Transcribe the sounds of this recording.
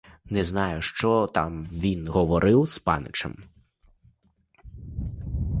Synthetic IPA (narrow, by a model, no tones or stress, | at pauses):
nɛznɑjʊʃt͡ʃɔt̪ɑ̰mʋʲinɦɔʋɔɾɪwspɑ̰nɪ̰t͡ʃɐ̰m